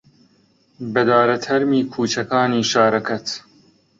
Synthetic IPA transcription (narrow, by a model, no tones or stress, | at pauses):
bɐd̪aːɾɐt̪ʰɐɾmiːkʰuːt͡ʃɐkaːniːʃaːɾɐkɐt̪